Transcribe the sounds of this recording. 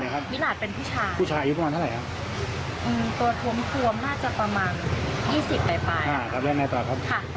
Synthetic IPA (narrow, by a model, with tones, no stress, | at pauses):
a˨˦˩kʰa˦˥p̚mi˦˥laː˨˩t̪̚pe˧npʰuː˥˩t͡ɕʰaː˧uː˥˩t͡ɕʰaː˧ʔa˧ju˥p̬ːɾa˧aː˧nʰ˥˩a˨˩jkʰa˦˥p̚ | ʔɯː˧mt̪u˨˩t̪ʰu˧˦mt̪ʰu˧əmnaː˥˩t͡ɕa˨˩pɾa˧maː˧njiː˥˩si˨˩pːa˧jpa˧jaː˧˩kʰa˦˥p̚lɛː˥˩ŋnaː˧˩t̪ɔː˨˩kʰa˦˥p̚kʰa˧˩